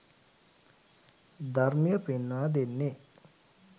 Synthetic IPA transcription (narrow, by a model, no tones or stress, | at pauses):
d̪aɾmijəpenːaːd̪enːe